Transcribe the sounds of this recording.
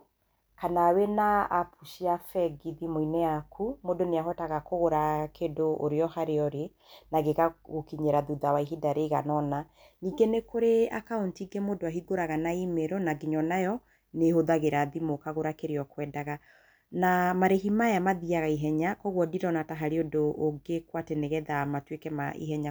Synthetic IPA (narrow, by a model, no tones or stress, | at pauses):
kanaːwenaapuʃiafɛɡiðimoinɛakʰumodoneaɦɔtaɣakoɣoɾakedoʔo̰ɾeɔhaɾeɔɾe | naɡekaɣokiɲeɾaðuðawaiɦidaɾeɣa̰nɔna | niːɡenekoɾeakaontiːɡemodoaɦiɡoɾaɣanaimeɾonaɡeɲɔnajɔ | nehoðaɣeɾaðimokaɣoɾakeɾeɔkwɛːdaɣa | namaɾeɦimajamaðiaɣaiɦɛɲakɔɣwɔdiɾɔnataɦaɾeodoʔːɡekwatɛneɣɛðamatwekɛmaḭɦɛɲa